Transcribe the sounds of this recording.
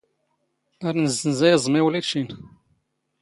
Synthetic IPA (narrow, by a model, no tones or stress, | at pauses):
aɾnəzːənzæjzˤmiwlæt͡ʃːin